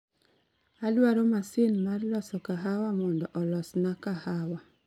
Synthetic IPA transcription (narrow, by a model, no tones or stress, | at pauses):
alwaɾomasɪnmarlɔsɔkaɦawamɔndɔʔɔlɔsnakahawa